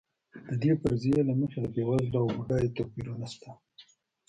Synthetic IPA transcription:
d̪̥əd̪epəɾzjelaməxed̪əbewazlaawuɖajt̪apiɾonaʃt̪a

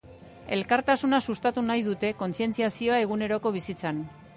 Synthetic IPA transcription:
e̞lkaɾt̪asunasust̪at̪unajðut̪e̞ko̞nsie̞nt͡siasio̞ae̞ɣ̞une̞ɾo̞ko̞β̞isit͡san

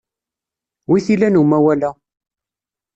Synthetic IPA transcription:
wiθilænumæwælæ

